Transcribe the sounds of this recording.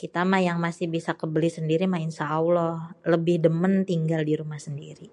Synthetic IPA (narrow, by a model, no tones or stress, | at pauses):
kit̪amahjaŋmasɪhbisakəbəlihsəndiɾimaɪnsaulɔləbɪhdəmənt̪iŋɡaldiɾumahsəndiɾi